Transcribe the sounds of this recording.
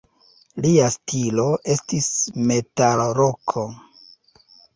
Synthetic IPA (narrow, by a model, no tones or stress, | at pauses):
liastʰilo̞ʔe̞stisme̞talɾokʰo